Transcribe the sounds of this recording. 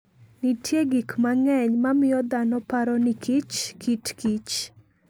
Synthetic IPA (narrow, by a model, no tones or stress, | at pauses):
nitʰjeɡikmaŋɛɲmamɪɔd̪anɔpaɾɔnikʰit͡ʃkitkit͡ʃ